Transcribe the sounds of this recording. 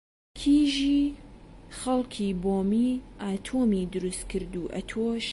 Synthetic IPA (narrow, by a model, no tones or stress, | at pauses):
kʰiːʒiː | xɐlˠkʰiːboːmiːʔaːt̪ʰoːmid̪ɨɾust̪kɨɾd̪uːʔɐ̰t̪ʰoʃ